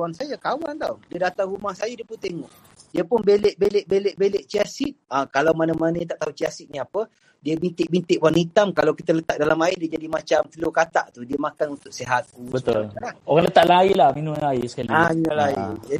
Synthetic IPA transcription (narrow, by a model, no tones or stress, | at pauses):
wansajakawant̪awdiədat̪aŋɾumahsajadiəpunt̪eŋɔʔ | diəpʊnbeleʔbeleʔbeleʔbeleʔt͡ʃiasɪʔ̚akalawmanəmannəjat̪aʔt̪aɦut͡ʃiasɪʔ̚ɲiapə | diəbint̪ɪʔ̚bint̪ɪʔwanit̪amkalawkit̪ələt̪aʔ̚dalamaɪdiəd͡ʒadimat͡ʃamt̪əlokat̪a̰ʔt̪udiəmakanunt̪ʊk̚seɦat̪̚ubət̪ullaoɣaŋlət̪aʔlailahminʊ̃laisə̥kaliaminũlaḭd͡ʒa